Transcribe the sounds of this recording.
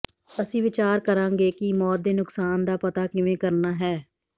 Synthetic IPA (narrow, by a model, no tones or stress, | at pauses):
əsĩːʋɪt͡ʃaːɾkəɾãːŋɡeːkɪmɔːt̪̚d̪eːnʊksaːnd̪aːpət̪aːkɪʋẽːkəɾnaːɦɛː